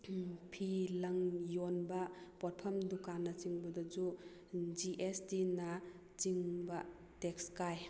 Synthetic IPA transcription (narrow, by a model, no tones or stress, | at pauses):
pʰilɐŋjonbɐpɔɾ̚pʰɐmdukanːɐt͡ʃiŋbɐdad͡ʒu | d͡ʒiʔestina | t͡ʃiŋbɐ | tekskaj